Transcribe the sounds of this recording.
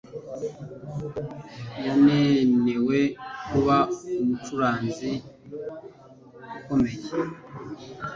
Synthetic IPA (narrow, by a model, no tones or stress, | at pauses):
janeːne̞wekuβaumutuɾaːnzi | uko̞me̞je